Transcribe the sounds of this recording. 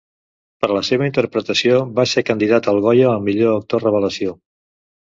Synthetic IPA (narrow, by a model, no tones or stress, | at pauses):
pəɾləseβəint̪əɾpɾət̪əsioβasekənd̪iðat̪əlˠɣɔjəːlˠmiʎoək̚t̪orəβ̞ələsio